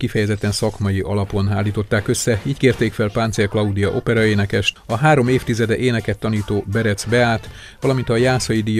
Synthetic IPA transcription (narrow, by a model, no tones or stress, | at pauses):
kifɛjɛzɛt̪ːɛnsɒkmɒjiʔɒlɒpo̞naːlːiːt̪o̞t̪ːaːkø̞sːɛiːckeːrt̪eːkfɛlpaːnt̪serklɒud̪ijɒʔo̞pɛɾɒeːnɛkɛʃt̪ɒɦaːɾo̞meːft̪izɛd̪ɛʔeːnɛkɛt̪ːɒniːt̪oːbɛɾɛt̪sbɛaːt̪ | ʋɒlɒmint̪ɒjaːsɒjid̪ij